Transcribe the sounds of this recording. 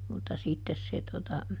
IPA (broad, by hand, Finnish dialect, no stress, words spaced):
mutːɑ sitːes se totɑ